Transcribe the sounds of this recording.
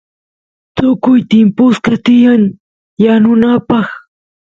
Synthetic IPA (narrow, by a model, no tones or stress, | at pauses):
t̪ʊkʊjt̪ɪmpʊskat̪ɪjaŋ | janʊnapɑχ